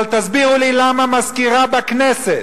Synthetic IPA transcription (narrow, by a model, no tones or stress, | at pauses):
lt̪azbiʁulilamamaskiʁabakneset̪